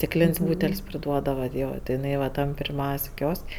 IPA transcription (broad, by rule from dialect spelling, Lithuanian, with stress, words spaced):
sʲtʲɪkˈlʲeːnʲsʲ ˈbuːtʲɛlʲsʲ pʲrʲɪˈduɔdɐʋɐ ˈjoː tʲɪ ɪˈnɐɪ ʋɐ ˈtɐm pʲɪrʲˈmʲɛʊsʲ ˈkʲoːsʲkʲ